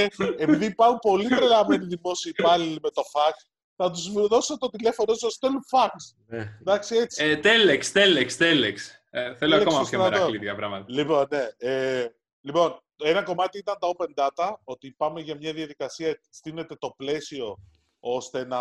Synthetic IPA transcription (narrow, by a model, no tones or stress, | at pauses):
eepiðipɐɾumpo̞lit̪ɾelɐme̞niðimo̞siːpɐlilme̞t̪o̞fɐk | θɐt̪̬uzðo̞sot̪ot̪ile̞fo̞not̪sost̪elufɐks | d̪ɐksie̞t͡sit̪elekst̪elekst̪eleks | θeloɐkkosmɐsɐɾɐɾolit̪ɐpɾɐmɐt̪ɐlipo̞nːee | lipo̞n | e̞nɐko̞mɐt̪iit̪ɐnt̪ɐope̞nd̪ɐt̪ɐo̞t̪ipɐme̞ʝɐmɲɐðiɐðikɐsiɐst̪ine̞t̪e̞t̪o̞ple̞sio̞ | o̞st̪e̞nɐ